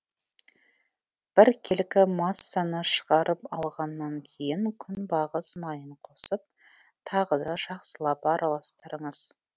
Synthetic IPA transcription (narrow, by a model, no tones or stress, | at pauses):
b̥ɪɾkʲʰe̞lkʲɪmɑsːanəʃə̥ʁɑɾʔəpɑ̰lˠʁɑnːɑŋkʲʰe̞jɪŋkʲʰʏnbɑʁəsmɑjəɴqʰo̞səp̚t̪ʰɑʁəd̪ɑʒ̥ɑqsəlˠɑpɑɾʔɑlˠɑst̪əɾəɴəz̥